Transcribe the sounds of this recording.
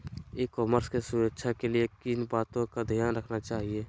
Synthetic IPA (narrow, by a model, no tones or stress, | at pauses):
ekɔːməɾskesʊɾəkʃʰakeliekinbaːt̪õkad̪ʱijaːnɾəkʰnat͡ʃaːɦieː